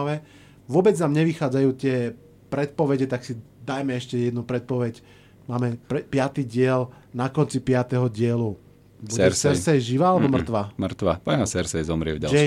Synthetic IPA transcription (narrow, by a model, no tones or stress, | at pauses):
ʋɛ | ʋʊɔbɛd͡znaːmɲɛʋixaːd͡zajuːt̪ɪɛ | pɾɛt̪̚pɔʋɛɟɛt̪aksi | d̪ajmɛɛʃcɛjɛd̪nupɾɛt̪̚pɔʋɛɟ | maːmɛpɛpɪat̪iːɟɪɛl | nakɔnt͡sipɪat̪ɛɦɔɟɪɛlu | buɛɛsɛɾsɛjʒiʋaːalɛbɔmr̩t̪ʋamrt̪ʋa̰paɲasɛɾsɛjzɔmɾɪɛ̰vɟa̰d͡ʒɛ